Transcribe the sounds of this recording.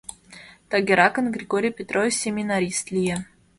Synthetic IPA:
t̪aɡʲɪɾakənɡɾʲɪɡoɾʲijpʲɪt̪rovʲɪsʲemʲɪnaɾʲist̪lʲija

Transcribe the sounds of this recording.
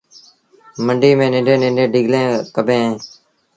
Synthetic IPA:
məɳɖiːmẽːnɪ̃ːɳɖẽːnɪ̃ːɳɖẽːɖɪːɡlẽːkəbẽːɦeː

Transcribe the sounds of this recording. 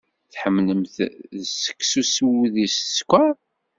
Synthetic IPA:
θħəmːləmθðsə̥kːsusuwiðisskʷæ

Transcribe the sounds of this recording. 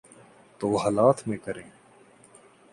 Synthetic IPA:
t̪oːɦaːlaːt̪ʰmẽːkəɾẽː

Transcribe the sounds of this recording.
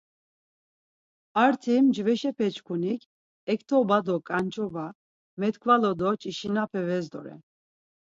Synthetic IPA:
aɾt̪ʰimd͡ʒvɛʃɛpʰɛt͡ʃʼkʰunikʰ | ɛkʰt̪ʰɔbad̪ɔkʼant͡ʃʼɔba | mɛt̪kʰʼvalɔd̪ɔt͡ʃʼiʃinapʰɛvɛzd̪ɔ̰ɾɛ̰n

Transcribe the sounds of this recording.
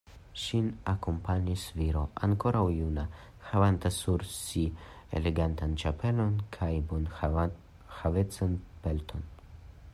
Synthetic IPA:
ʃinakompaɲisviɾo̞ʔa̰ŋko̞ɾawjuna | xavant̪asuɾsi | ḛleɡant̪ant͡ʃape̞lo̞nkʰajbon | xavet͡sanpelt̪ʰo̞n

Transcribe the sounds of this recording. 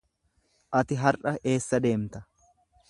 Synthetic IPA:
ʔɐt̪ɪɦɐɾʔɐʔe̞ːsːɐd̪e̞ːmt̪ɐ

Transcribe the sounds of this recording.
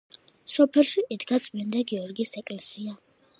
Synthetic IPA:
sɔpʰɛlˠʃiʔid̪ɡat̪sʼmind̪aɡiɔɾɡisɛkʼlɛsia

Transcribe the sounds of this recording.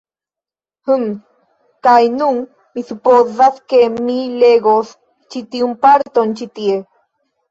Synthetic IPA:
hɨm | kajnuŋ | miθɨpoðaθkemileɣos | t͡ʃit̪iumpaɾt̪ont͡ʃit̪ie

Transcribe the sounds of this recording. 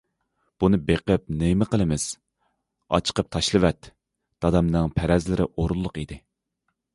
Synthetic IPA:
b̥unɨbeqəp̚nɪmɪqəlˠɨmɪz̥ | ɑ̰t͡ʃʰə̥qəp̚t̪ʰɑʃlˠɨwɛt̪ | d̪̥ɑd̪ɑmnɨŋpʰæɾɛzlɪɾɪ̰ʔoɾulˠːʊqid̪ɪ

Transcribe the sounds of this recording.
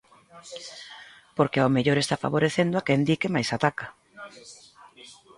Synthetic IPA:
poɾkeaomeʎoɾest̪afa̰βoɾeθend̪oakend̪ikemajsat̪aka

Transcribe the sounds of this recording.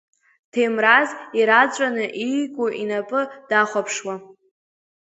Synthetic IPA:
tʰemraziɾat͡ɕʷʼanɨʔijɡʷʼuʔinapʼɨd̥aχʷapʰʂwa

